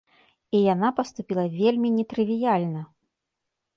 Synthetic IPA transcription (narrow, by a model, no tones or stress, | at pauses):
ijanapɐst̪upʲilˠɐvʲelʲmʲinʲɛt̪ɾɨvʲijalʲnɐ